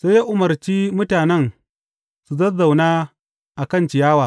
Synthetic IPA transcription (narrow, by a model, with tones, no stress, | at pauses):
sa˦ja˦ʔʊ˨mɐ˨rt͡ʃiː˦mʊ˦taː˨nɛ˦˨n | su˨zɐ˦za˨wnaː˦ | ʔa˨kɐ˦˨nt͡ʃɪ˨jaː˦waː˨